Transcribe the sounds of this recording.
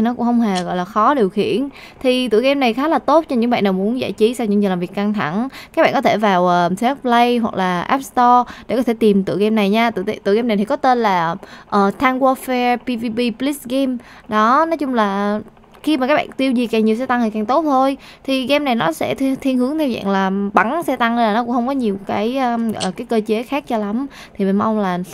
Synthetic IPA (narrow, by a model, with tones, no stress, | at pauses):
i˨˩nɔ˨˦kʊ̰˧˥ŋ͡mhə˧wŋ͡mhe˨˩ɣɔ̰˧˨jlaː˨˩xɔ˨˦ɗi˨˩əwxḭ˧˩˨ən | t̪ʰi˨˩t̪ɨ̰˧˨jɣɛ˧mna˨˩jxaː˨˦laː˨˩t̪o˦˥t̚t͡ɕɔ˧ɲɨ̰˧˥ŋɓa̰ː˧˨nːɗaː˨˩mu˨˦ənza̰ː˧˩jt͡ɕi˨˦sa˧wɲɨ̰˧˥ŋzlaː˨˩vi˨˩əka˧ŋt̪ʰa˧˩ŋkaː˧˦˥k̚ɓ̰ːkɔ˨˦t̪ʰe˧˩vaː˨˩wʔəː˨˩sʰɛ˦˥k̚plə˧jɦwa˨˩k̚laː˨˩ʔɛ˦˥p̚st̪ɔ˧ɗe˧˩kɔ˨˦e˧˩t̪i˨˩mt̪ɨ̰˧˨ɣɛ˧mna˨˩jɲaː˧t̪ɨ̰˧˨˧t̪ɨ̰˧˨ɣɛ˧mna˨˩jt̪ʰi˨˩kɔ˨˦t̪e˧nlaː˨˩ʔəː˨˩t̪ʰaː˧ŋɣwɔ˧fɛ˧pi˧vi˧ɓi˧pli˦˥sɣɛ˧m | ɗɔ˨˦nɔ˨˦jt͡ɕʊ˧ŋ͡mlaː˨˩ | xi˧maː˨˩kaː˦˥k̚ɓa̰ː˧˨t̪i˧əwzi˨˩kaː˨˩ŋɲi˨˩ws̬ɛ˧t̪a˧ŋh̪a˨˩kaː˨˩ŋt̪o˦˥t̚t̪ʰo˧j | t̪ʰi˨˩ɣɛ˧mna˨˩jnɔ˨˦sɛ̰˧˥t̪ʰt̪ʰi˧nɦɨ˨˦əŋt̪ʰɛ˧wza̰˧˨nlaː˨˩ɓa˧˩ŋsɛ˧t̪a˧ŋ˧laː˨˩nɔ˨˦kʊ̰˧˥ŋ͡mxə˧ŋ͡mkɔ˨˦ɲi˨˩əwkaː˨˦jʔəː˧ʔəː˨˩kaː˨˦jkəː˧t͡ɕe˨˦xaː˦˥k̚t͡ɕɔ˧la˨˦m | t̪ʰi˨˩me˨˩nma˧wŋ͡mlaː˨˩